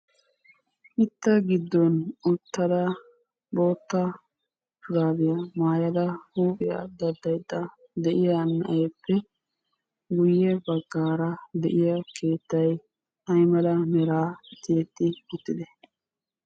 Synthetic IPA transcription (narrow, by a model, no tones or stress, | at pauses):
ʔɪt̪ːɐɡɪd̪ːɔnʊt̪ːɐd̪ɐ | bo̞ːt̪ːɐ | fʊɾaːd̪ɪjɐmaːjɐd̪ɐhuːkɪjɐ̰d̪ɐd̪ɐjd̪ːɐ | d̪ɛʔɪjɐnːɐ̰ʔeːpːɛ | ɡʊjːɛbɐɡːaːɾɐd̪ɛʔɪjɐkʰe̞ːt̪ːɐj | ɐjmɐlɐmɛɾaːt̪eːt̪ːɪɡʊt̪ːɪd̪ɛ